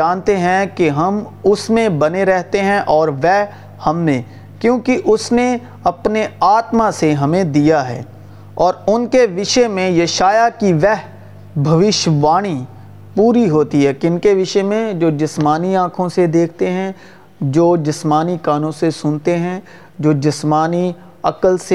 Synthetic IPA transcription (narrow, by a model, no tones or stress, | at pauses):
aːnt̪eɦɛ̃keɦɐmʊsmẽbɐneɾɛɦt̪eɦɛ̃ʔɔːɾʋɛː | hɐmnẽː | kjõːkiʔʊsne | ɐpneaːt̪maseɦɐmẽd̪ijaɦɛ̰ː | ɔːɾʊnkeʋɪʃəmẽjɐʃaːjakiʋɛɦ | bʱɐʋɪʃʋaːɽ̃i | puːɾiɦoːt̪iɦɛːkɪnkeʋɪʃəmẽd͡ʒoːd͡ʒɪsmaːniãːkʰõsed̪eːk̚ʰt̪eɦɛ̃ | d͡ʒoːd͡ʒɪsmaːnikaːnõsesʊnt̪eɦɛ̃ | d͡ʒoːd͡ʒɪsmaːni | ɐkəlse